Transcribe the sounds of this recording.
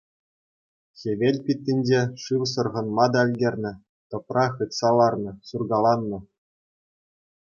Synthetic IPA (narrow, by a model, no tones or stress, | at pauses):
xʲeʋʲelʲpʲit̪ʲːinʲd͡ʑeʂɯʋs̬ɤ̆rʁɤ̆nmɑd̪ɑɘ̆lʲdʲerʲnʲɘ̆ | t̪ɤ̆prɑχɯt̪sɑlɑrnɤ̆surɡɑlˠɑnːɤ̆